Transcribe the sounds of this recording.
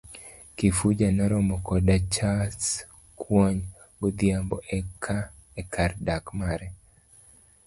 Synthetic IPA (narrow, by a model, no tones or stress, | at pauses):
kifud͡ʒanɔɾɔmɔkɔdat͡ʃas | kʰwɔɲ | ɡɔd̪jambɔʔɛkʰaekʰardakmaɾɛ